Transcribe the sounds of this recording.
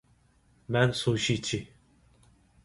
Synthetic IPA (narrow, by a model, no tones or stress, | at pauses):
mænsoʃit͡ʃʰi